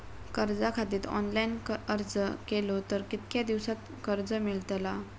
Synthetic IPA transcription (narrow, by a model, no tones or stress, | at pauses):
kəɾd͡zakʰat̪iːt̪ɔ̰nlainəɾd͡zəkelot̪əɾkit̪̚kjad̪iʋsat̪̚ | kəɾd͡zəmiɭt̪la